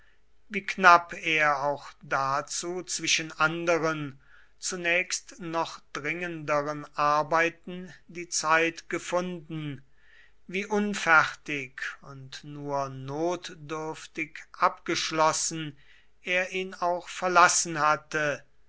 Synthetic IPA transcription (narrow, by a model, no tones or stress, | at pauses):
viːknapʰeːɐaʊxd̥at͡suːt͡sv̥ɪʃənʔandəʁən | t͡sunɛːkstnɔχd̥ʁɪŋəndəʁənʔaɐbaɪtn̩diːt͡saɪtɡ̥əfʊndn̩ | viːʔʊnfɛχtɪkʰʊntnuːɐnoːtdʏɐftɪkʔapɡ̥əʃlɔsn̩ | ʔeːɐʔiːnaʊxfɛɐlasn̩hatə